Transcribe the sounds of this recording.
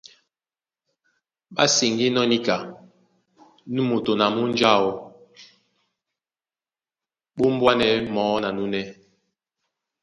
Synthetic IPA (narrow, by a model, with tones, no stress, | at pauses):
ɓa̰˦si˨ŋɡi˦nɔ˦ni˦ka˨ | nu˦mo˨to˨na˨mu˦n˦d͡ʒa˦˨o˨ | ɓo˦m̩˦bwa˦nɛ˨˦mɔː˨˦na˨nu˦nɛ˦